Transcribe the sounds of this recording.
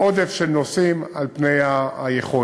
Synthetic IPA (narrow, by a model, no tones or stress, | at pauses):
ʔod̪efʃelnosimalpnejajeχo